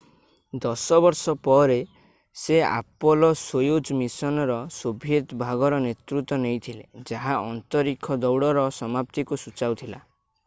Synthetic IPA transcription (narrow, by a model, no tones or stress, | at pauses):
d̪ɔsɔbɔɾsɔpɔɾe | sea̰pɔlɔsojod͡ʒmisɔnɔɾɔsobʱjet̪bʱaɡɔɾɔnet̪ɾut̪ːɔnejt̪ʰiled͡ʒaɦaɔnt̪ɔɾikʰɔd̪ɔwɽɔɾɔsɔmap̚t̪ikusut͡ʃawt̪ʰila̰